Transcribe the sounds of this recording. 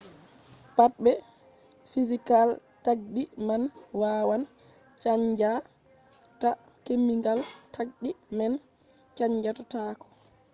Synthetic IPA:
patɓɛ | fizikaltaɡdimanwaːwant͡ʃaɲd͡ʒa | takemːiŋɡaltʰaɡ̚ɗimɛnt͡ʃaɲd͡ʒatataːkɔ̥

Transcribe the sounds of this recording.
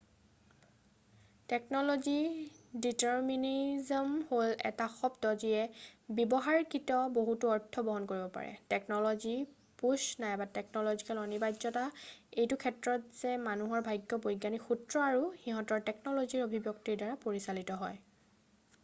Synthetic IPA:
tɛknɔlɔziditɛɹminizɔmholɛ̰taxɔbtɔziɛbɛbɔɦaɹkitɔboɦutuɔɹtʰːɔbɔɦɔnkoɹibɔpa̰ɹɛ̰tɛk̚nɔlɔzi | puʃnajbatɛk̚nɔlɔzikalɔnibajzɔtaejtukʰɛtɹɔtz̥ɛmanuɦɔɹbʱajɡjɔbojɡːanixutɹɔaɹuxiɦɔtɔɹtɛk̚nɔlɔziɹobʱibjoktiɹdaɹapoɹisalitɔɦɔj

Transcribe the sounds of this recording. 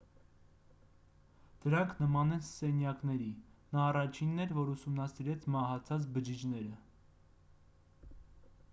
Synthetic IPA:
d̪̥əɾɑŋkʰnəmɑnɛnsɛnjɑknɛɾinɑːrɑt͡ʃʰinːɛɾvɔɾusumnɑsiɾɛt͡sʰmɑɦɑt͡sʰɑt͡sbəd͡ʒid͡ʒnɛɾə

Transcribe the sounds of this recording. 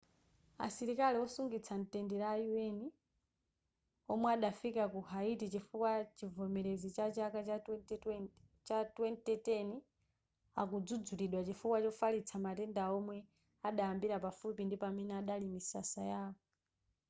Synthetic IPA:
a̰siɾikaliɔsuŋɡit͡sʰan̩tɛndiɾaːjuwɛni | ɔmwɛaɗafikakuhaitit͡ʃifukwat͡ʃivɔmɛɾezit͡ʃat͡ʃaka | t͡ʃatwɛntɛtɛni | akud͡zud͡zuliɗwat͡ʃifukwat͡ʃɔfalit͡sʰamatɛndaɔmwɛ | aɗaambiɾapafupindipamɛnɛaɗalimisasajaːkɔ

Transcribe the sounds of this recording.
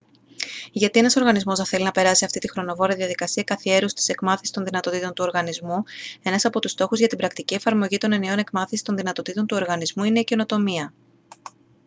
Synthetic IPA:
ʝɐt̪ie̞nɐso̞ɾɣɐnizmo̞zðɐθe̞linɐpe̞ɾɐsiɐft̪it̪ixɾo̞no̞vo̞ɾiɐðiɐðikɐsiɐkɐθie̞ɾust̪i̥se̞kmɐθisi̥st̪o̞nðinɐt̪o̞t̪it̪o̞nt̪uo̞ɾɣɐnizmue̞nɐsɐpo̞t̪ust̪o̞xuzʝɐt̪ibɾɐk̚t̪icie̞fɐɾmo̞ʝit̪o̞ne̞neo̞ne̞kmɐθisi̥t̪o̞nðinɐt̪o̞t̪it̪o̞nt̪uo̞ɾɣɐnizmuine̞ice̞no̞t̪o̞miɐ

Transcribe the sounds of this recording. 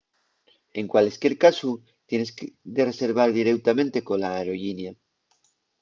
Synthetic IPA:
eŋkwaleskje̞ɾkasu | t̪je̞nesd̪ere̞se̞ɾβ̞aɾðiɾewt̪amẽnt̪e̞kolaeɾo̞ʝinja

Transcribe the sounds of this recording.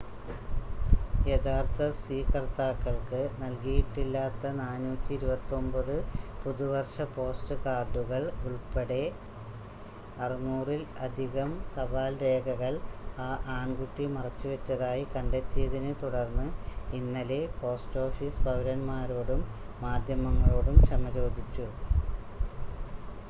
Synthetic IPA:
jed̪ʰʱaːrt̪ʰɐsiːkɐrt̪aːkːɐɭkɨnɐlkijiʈːilːaːt̪ːɐnaːnuːt̪ʲːiːɾubɐt̪ːo̞mbɐðɨpuðuʋɐrʂɐpo̞ːsʈɨkaːrɖuɣɐɭuɭpeɽe̞ | ɐrinːuːrilɐd̪ʱiɣɐmt̪ɐʋaːlɾe̞ːɡʱɐɣɐɭaːʔaːɳɡuʈːimɐrɐt͡ɕːuʋet͡ɕːɐðaːjikɐɳɖe̞t̪ːijɐðinɨt̪uɽɐrnːɨinːɐle̞po̞ːsʈo̞ːfisbʱɐʋɾɐnmaːɾo̞ːɽumː | aːd̪ʱjɐmɐŋːɐɭo̞ːɽumʂɐmɐt͡ɕo̞ːd̪ʱit͡ɕːu

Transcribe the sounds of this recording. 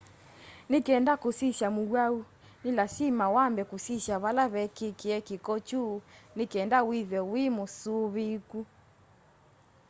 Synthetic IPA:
nekɛndakosisjamuɣwau | nilasimawambɛkusisjaβalaβɛkekeɛkikɔt͡ʃuːnekɛndawiðɛwimosuβiku

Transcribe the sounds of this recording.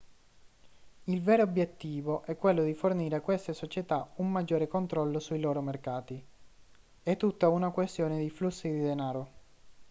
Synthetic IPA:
ilvɛːɾoobjet̪ːiːvoʔɛkːwelːod̪iforniːɾeakːwest̪esot͡ʃet̪aumːad͡ʒːoːɾekont̪ɾɔlːosuiloːɾomerkaːt̪i | ɛt̪ːut̪ːaunakwest̪joːned̪iflusːid̪id̪enaːɾo

